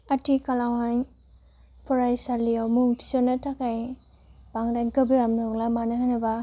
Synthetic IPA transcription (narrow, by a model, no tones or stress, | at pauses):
atikalawaj | pʰɔɾajsaliawmuŋtʰi̥sɔnatʰakaj | baŋdajnkabiɾamnɔŋlamanaɦanaba